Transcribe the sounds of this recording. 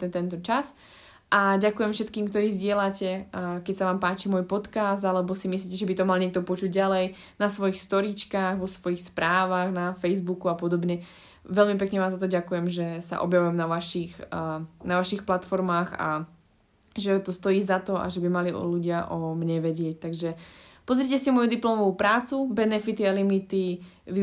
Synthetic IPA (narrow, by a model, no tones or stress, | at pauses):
t̪ɛnt̪ɔt͡ʃas | ʔaɟakujɛmfʃɛt̪kiːmkt̪ɔɾiːzɟɪɛlacɛkɛcsaʋaːmpaːt͡ʃimɔjpɔt̪kazd̪alɛbɔsimisliːcɛʒɛbit̪ɔmalɲɪɛk̚t̪ɔpɔt͡ʃuɟɟalɛj | nasʋɔjixst̪ɔɾit͡ʃkaːɣʋɔsʋɔjixspɾʔaːʋaɣnafɛjzbukuapɔd̪ɔbɲɛ | ʋɛlmip̬ɛkɲɛʋaːzat̪̬ɔɟakujɛmʒɛsa̰ʔɔ̰bjaʋujɛmnaʋaʃixnaʋaʃixplat̪fɔɾmaːɣa̰ | ʒɛt̪ɔst̪ɔjiːzat̪ɔʔa̰ʒɛbimaliɔ̰luɟɪaʔɔmɲɛʋɛɟɪɛc̚t̪aɡʒɛpɔzɾɪɛcɛsimɔjud̪iplɔmɔʋupɾaːt͡subɛnɛfit̪ialimit̪i | ʋi